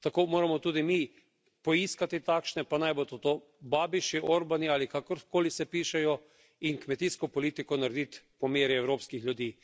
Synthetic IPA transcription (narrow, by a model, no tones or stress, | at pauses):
t̪akoːmoːɾamɔt̪uːd̪imi | pɔiːskat̪it̪aːkʃnɛpanajbot̪ot̪oː | baːbiʃiʔoɾbaniaːlikakɔɾkoːlisɛpiːʃɛjɔ | inkmɛt̪iːskɔpɔliːt̪ikɔnaɾɛd̪it̪pɔmeːɾjɛɛwɾoːpskixljud̪iː